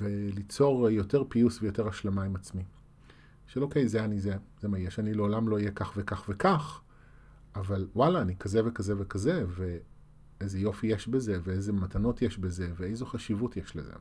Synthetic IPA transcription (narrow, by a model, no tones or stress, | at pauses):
velit͡so̞ʁjo̞teʁpiusvejo̞te̞ʁaʃlamaimat͡smi | ʃelʔokejzeanizezemajeʃanileolamlo̞ijekaχvekaχvekaχ | avalwalaːnikʰazevekazevekazeve | ejzejo̞fijeʃbeze̞veejzematano̞tjeʃbezeveejzoχaʃivutjeʃlḛzḛ